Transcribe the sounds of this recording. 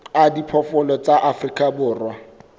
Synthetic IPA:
adipʰɔfʊlɔt͡sʼaʔafrikʼabʊːrwa

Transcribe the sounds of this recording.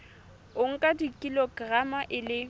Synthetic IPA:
ʊŋ̩kʼadikʼilɔɡramaʔɪlɪ

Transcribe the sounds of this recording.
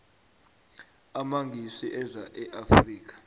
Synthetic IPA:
amaŋɡʱisiʔɛzaʔɛʔafriːk̬ḁ

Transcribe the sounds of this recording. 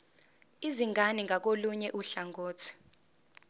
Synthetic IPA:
iziŋʱaniŋʱak̬oluɲɛʔuɬaŋɡoːt͡sʰi̥

